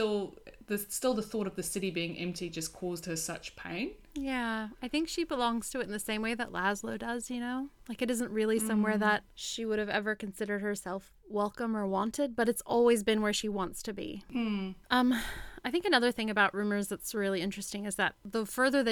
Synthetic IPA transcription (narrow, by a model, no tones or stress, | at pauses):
tɪlˠðɨstɪlˠðəθɔɾʌvðɨsɪɾibiɪ̃ŋʔɛ̰̃mp̚tʰid͡ʒʌskʰɔzd̚hə˞sʌt͡ʃpʰḛ̃ɪ̃n | jæaɪθɪ̃ŋkʃibəlɔ̃ŋz̥tʰɨɨɾn̩ðɨsẽɪ̃mweɪðə̰ʔlæzloʊdʌzjɨnoʊlaɪkɨɾɪzə̃nʔɹɪlˠisʌ̃mwɛɹðət̚ʃiwʊɾɨvɛ̰və˞kɨ̃n̩sɪɾə˞d̚hə˞sɛlˠf | wɛlˠkə̃mə˞wɑ̃ntɨd̚bʌɾɨtsɔ̰lˠwizbɨ̃nwə˞ʃiwɑ̃ntstʰɨbḭ | ʔʌ̃maɪθɪ̃ŋkɨnʌðə˞θɪ̃ŋɨbaʊʔɹʉ̃mə˞zðɨtsɹɪlˠiɪ̃nt͡ʃɹ̥ɨstɪ̃ŋɨzðɨt̪̚ðəfɜ˞ðə˞ðɨ